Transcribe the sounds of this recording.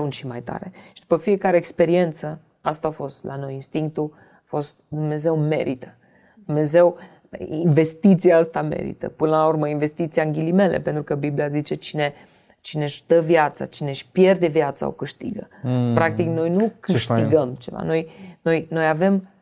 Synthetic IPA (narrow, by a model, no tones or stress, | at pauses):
unʃimajt̪a̰ɾe̞ʃi̥d̪̥upəfie̞kaɾe̞ːkspe̞ɾie̞nt̪sə | ast̪aːfo̞st̪lano̞jinst̪iŋk̚t̪u | afo̞st̪̚d̪umne̞ze̞wme̞̰ɾʔit̪ə̥ | d̪̥umne̞ze̞w | inve̞st̪it̪sijaast̪ame̞̰ɾḭt̪ə̰pɨnəlaurməinve̞st̪it̪siaɨŋɡʲilime̞lʔḛpe̞nt̪ɾukəbibliazit͡ʃe̞t͡ʃine̞ | t͡ʃine̞ʃd̪əvjat̪sa̰t͡ʃine̞ʃpje̞rd̪e̞vjat̪sa̰o̰kɨʃt̪ḭɡə̰pɾak̚t̪ikno̞jnukɨʃt̪iɡəmt͡ʃe̞va̰no̞jno̞jno̞jave̞m